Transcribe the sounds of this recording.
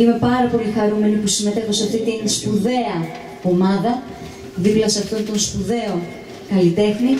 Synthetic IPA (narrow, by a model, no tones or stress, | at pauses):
ime̞pɐɾɐpo̞lixɐɾume̞nipusimet̪exoseɐft̪it̪inspuðe̞ɐ | o̞mɐðɐ | ðiplɐseɐft̪o̞nt̪o̞nspuðe̞o̞ | kɐlit̪e̞xni